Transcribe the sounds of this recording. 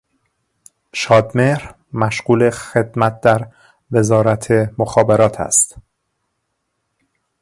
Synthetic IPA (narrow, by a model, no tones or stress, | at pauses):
ʃɒːd̪meɾ | mæʃɢ̥uːle̞xe̞d̪mæt̪̚d̪̥æɾ | ve̞zɒːɾæt̪ʰemoxɒːbeɾɒːt̪ʰæ̰st̪